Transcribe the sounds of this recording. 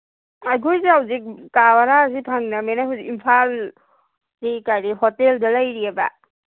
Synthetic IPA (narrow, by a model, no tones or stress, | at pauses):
aɡojzeɦawzik̚kawaɾazipʰaŋnamenajɦazikimpʰal | zikajɾiɦɔteldɐlajɾiaba̰